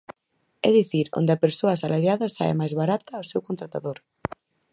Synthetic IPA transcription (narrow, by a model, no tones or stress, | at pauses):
ɛðiθiɾo̰nd̪ɪapeɾsoɐsalaɾjaðɐsa̰ḛmajzβaɾat̪ɐwsewkont̪ɾat̪aðoɾ